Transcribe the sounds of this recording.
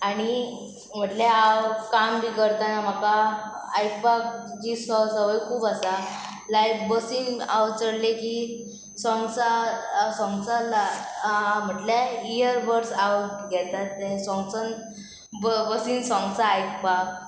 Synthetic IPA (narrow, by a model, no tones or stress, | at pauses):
aɽ̃i | m̤əʈleawkambʱikəɾt̪anam̤akaː | jk̚pak̚d͡ʑisəsəʋəjkʰuːbasa | lajkbəsiŋɡawt͡səɽleki | sɔ̃ŋɡt͡sasɔ̃ŋɡt͡salɦam̤əʈleijəɾbəɾsawɡɛt̪at̪ːesɔ̃ŋɡsən | bbəsiŋsɔ̃ŋɡt͡saːjk̚pak̚